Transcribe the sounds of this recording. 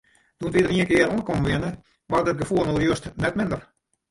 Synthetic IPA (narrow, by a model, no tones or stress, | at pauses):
d̥uəntʋidəriənkɪəɾuənkomʋɪənə | ʋardət̚ɡəfuəlˠnorjøəstnɛtmɪndər